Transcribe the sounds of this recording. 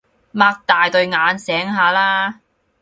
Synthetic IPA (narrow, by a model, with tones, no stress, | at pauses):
maː˧k̚t̪aː˨jt̪ɵ˧ɥŋaː˨˧nsɛː˨˥ŋɦaː˨˧laː˥